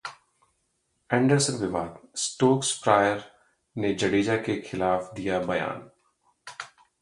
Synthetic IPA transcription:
ɛ̃ːɳɖəɾsənʋɪʋaːd̪sʈoːksfɾaːjəɾ | ned͡ʒɐɽiːd͡ʒakexʰɪlaːfd̪ijabɐja̰ːn

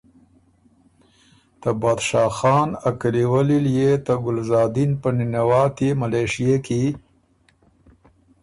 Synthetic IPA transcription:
t̪əbɑːd̪ʃɑːxɑːnakaliwaliljet̪əɡʊlzɑːd̪inpəninawɑːt̪imaleʂijeki

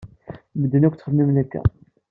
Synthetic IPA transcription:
məd̪ːənækʷːt̪ːχəmːimnækːæ̰

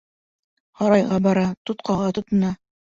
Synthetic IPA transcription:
hɑɾɑjʁɑbɑɾɑt̪ot̪qʰɑʁɑt̪ŏt̪ŏnɑ

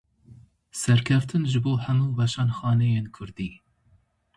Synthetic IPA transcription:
sɛɾkʰɛft̪ʰɨnʒɨboːhɛmuːbɑʃɑːnxɑːnɛjeːnkʰʊɾd̪iː

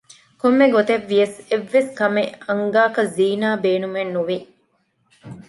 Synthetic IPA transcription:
komːeɡot̪eʋːijɐseʋːeskɐmeɐŋɡaːkɐziːnaːbeːnumenːuʋi

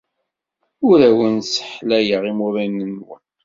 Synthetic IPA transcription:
ʊɾæwənsə̥ħlæjəʁimuɾænənwən

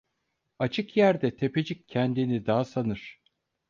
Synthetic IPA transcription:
at͡ʃʰɯkjæɾd̪ɛt̪ʰe̞pe̞d͡ʒicʰːɛnd̪inid̪aːasanɯɾ̥

